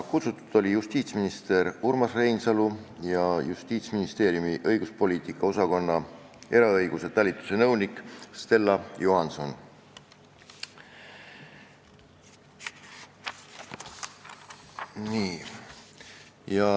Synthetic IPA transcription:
kut̪sut̪ːˑud̪̥o̞lʲijust̪iːt̪sminist̪e̞ɾurmɑsre̞jnsɑlujɑjust̪iːt̪sminist̪e̞ːɾjumiʔɤjɡ̥uspo̞liːt̪ikːˑɑo̞sɑko̞nːɑe̞ɾɑɤjɡ̥use̞t̪ælʲit̪ːˑu̥se̞nɤwnikˑst̪e̞lːɑjuhɑnso̞n | niː | jɑ

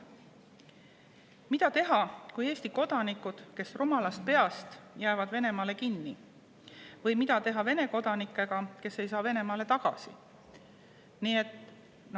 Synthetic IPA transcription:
mid̪̥ɑt̪e̞ɦɑkuje̞ːst̪iko̞d̪̥ɑnikːˑud̪̥ke̞srumɑlɑst̪̚pe̞ɑst̪jæevɑd̪ve̞ne̞mɑːle̞kinːi | vɤjmid̪̥ɑt̪e̞ɦɑve̞ne̞ko̞d̪̥ɑnikːˑe̞ɡ̥ɑke̞se̞jsɑːve̞ne̞mɑːle̞t̪ɑɡ̥ɑ̰sḭ | nie̞t̪ːˑ

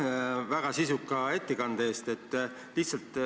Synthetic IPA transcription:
væɡ̥ɑsisukːˑɑe̞t̪ːekɑnd̪e̞ːst̪e̞t̪ː | liht̪sɑlt̪ˑ

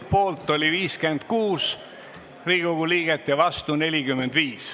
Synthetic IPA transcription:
po̞ːlt̪ːˑo̞lʲiviːske̞nd̪̥̚kuːs | riːɡoɡ̥uliːɡ̥et̪ːˑjɑvɑst̪une̞lʲikymːend̪viːs

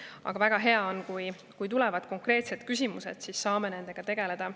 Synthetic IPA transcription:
ɑ̰ɡ̥ɑvæɡ̥ɑɦe̞ɑo̞nkuj | kujt̪ulɛvɑd̪̥ko̞ŋkˑre̞ːt̪se̞d̪kys̬ʲimuse̞̰d̪̥sisːɑːme̞ne̞nd̪̥e̞ɡ̥ɑt̪e̞ɡ̥e̞le̞d̪̥ɑ

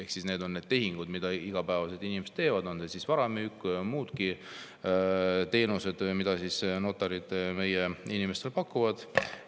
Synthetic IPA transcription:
ehksisne̞ːd̪o̞nːe̞ːd̪̥̚t̪e̞ɦiŋɡ̥ud̪̥mid̪̥ɑiɡ̥ɑpæːvɑset̪inimse̥t̪e̞ːvɑd̪̥o̞nsesisvɑɾɑmyykːmuːd̪ki | t̪e̞ːnuse̞d̪̥mid̪̥ɑsisnot̪ːˑɑɾid̪̥me̞jeinime̞st̪e̞lpɑkːuvɑd̪̥

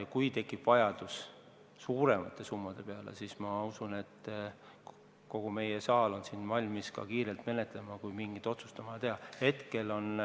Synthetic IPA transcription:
kujt̪e̞kːˑipvɑjɑd̪̥us | suːɾe̞mɑt̪ˑːe̞sumːɑd̪̥e̞pe̞ɑlḛsismɑusune̞t̪ː | ko̞ɡ̥ume̞jesɑːlo̞nsinvɑlʲmiskɑ̰kiːɾe̞lt̪me̞ne̞t̪le̞mɑkujmiŋɡit̪ːo̞t̪su̥st̪ɑmɑjɑt̪ehɑhe̞t̪ke̞lo̞n

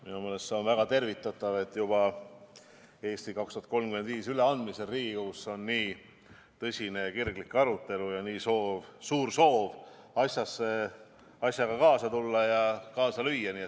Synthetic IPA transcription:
minumeːle̞st̪seo̞nvæɡ̥ɑt̪e̞rvit̪ːˑɑt̪ːˑɑve̞t̪ːˑjub̥ɑ | e̞ːsʲt̪ikɑkst̪uɑt̪̚ko̞lmkymend̪viːsyle̞ɑnd̪mise̞lriːɡ̥iɡɑkusːo̞nːiː | t̪ɤsʲine̞ɑkirɡ̥likːɑɾut̪ːˑe̞lujɑniːso̞ːvsuːrso̞ːv | ɑsʲjɑsːe̞ | ɑsʲjɑɡɑkɑːsɑt̪ulːɑjɑkɑːsɑlyjːɑniːet̪

